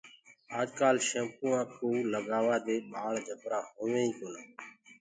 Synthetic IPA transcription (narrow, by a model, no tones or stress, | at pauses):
aːd͡ʒkaːlʃẽːmpũːãːkʰuːləɡaːʋaːd̪eːɓaːɭd͡ʒʱəpɾãːɦoːʋẽːĩːkoːnaː